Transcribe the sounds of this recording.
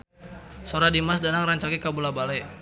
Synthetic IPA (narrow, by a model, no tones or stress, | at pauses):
soɾadimas̬danaŋraɲt͡ʃakikabulabalɛ